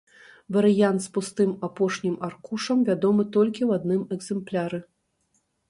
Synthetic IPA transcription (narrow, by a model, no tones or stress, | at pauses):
vɐɾɨjant̪spust̪ɨmapɔʂnʲimarkuʂɐmvʲad̪ɔmɨt̪ɔlʲkʲiwad̪nɨmɛɡzɛmplʲaɾɨ